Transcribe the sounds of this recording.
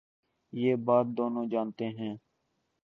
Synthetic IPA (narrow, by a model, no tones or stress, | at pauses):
jeːbaːt̪̚d̪oːnõːd͡ʒaːnt̪eːɦɛ̃ː